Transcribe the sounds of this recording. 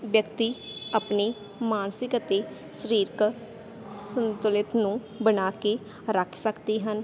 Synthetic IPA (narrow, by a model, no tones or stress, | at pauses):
ʋjəkt̪iːapneː | maːnsɪkət̪eː | səɾiːɾk | sənt̪ʊlɪt̪nũː | bənaːke | ɾəkʰsəkd̪iːɦən